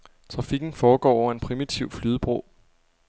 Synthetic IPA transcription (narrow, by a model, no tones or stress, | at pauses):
t͡sʰʁɑ̈fiɡ̥n̩fɒːɡ̥ɒ̰ːɒʊɐe̝npʰʁimit͡sʰiʊflyːðˠəb̥ʁo̰ː